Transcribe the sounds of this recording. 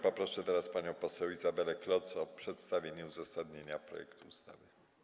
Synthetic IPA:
pɔpɾɔʂɛt̪ɛɾaspaɲɔ̃w̃pɔsɛwizabɛlɛklɔt̪sɔpʂɛt̪st̪avʲjeɲɛuzasad̪ɲeɲapɾɔ̰jɛ̰kt̪uust̪a̰vɘ

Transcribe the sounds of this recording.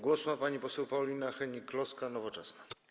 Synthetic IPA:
ɡwɔsumapaɲipɔsɛwpaɔlʲinaxɛɲiklɔskanɔvɔt͡ʂɛsna

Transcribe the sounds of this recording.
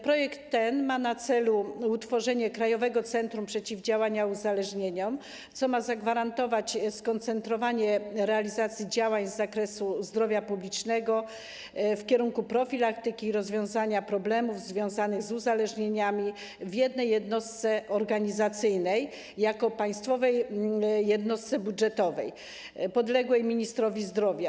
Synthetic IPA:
pɾɔjɛkt̪ːɛnmanat̪sɛluut̪fɔʐɛɲɛkɾajɔvɛɡɔt̪sɛnt̪ɾumpʂɛt͡ɕivd͡ʑawaɲauzalɛʐɲeɲɔm | t̪sɔmazaɡvaɾant̪ɔvat͡ɕskɔnt̪sɛnt̪ɾɔvaɲɛɾɛalʲizat̪sʲjid͡ʑawaɲzːakɾɛsuzd̪ɾɔvʲjapublʲit͡ʂnɛɡɔ | fkʲɛɾuŋkupɾɔfʲilakt̪ɘkʲiɾɔzvʲjɔ̃w̃zaɲapɾɔblɛmuvzvʲjɔ̃w̃zanɘɣzuzalɛʐɲeɲamʲi | vʲjɛd̪nɛjːɛd̪nɔst̪sɛɔɾɡaɲizat̪sɘjnɛjː | akɔpaj̃st̪fɔvɛjː | ɛd̪nɔst̪sɛbudʐɛt̪ɔvɛ̰j | pɔd̪lɛɡwɛjmʲiɲist̪ɾɔvʲizd̪ɾɔvʲja

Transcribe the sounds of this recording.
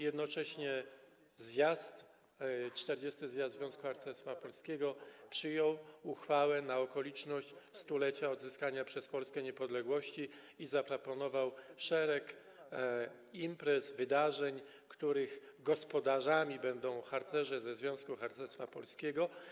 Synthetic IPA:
jɛd̪nɔt͡ʂɛɕɲɛ | zjast̪ | t͡ʂt̪ɛɾd͡ʑɛst̪ɘzʲjasd̪zvʲjɔ̃w̃skuxaɾt̪sɛst̪fapɔlskʲeɡɔpʂɘjɔwuxfawɛnaɔkɔlʲit͡ʂnɔɕt͡ɕst̪ulɛt͡ɕaɔd̪zɘskaɲapʂɛspɔlskɛɲɛpɔd̪lɛɡwɔɕt͡ɕi | izapɾɔpɔnɔvawʂɛɾɛk | impɾɛsvɘd̪aʐɛɲ | kt̪uɾɘɣ | ɡɔspɔd̪aʐamʲibɛnd̪ɔ̃w̃xaɾt̪sɛʐɛzɛzvʲjɔ̃w̃skuxaɾt̪sɛɾst̪fapɔ̰lskʲɛɡɔ

